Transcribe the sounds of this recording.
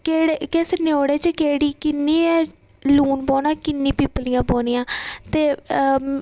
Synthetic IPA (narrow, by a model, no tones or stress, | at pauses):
keːɽkɛːseneoːɽeːt͡ʃekeːɽiːkɪnːiːɛː | luːnpɔːnãːkɪnːĩːpiːplɪjãːpoːnɪjãːt̪eː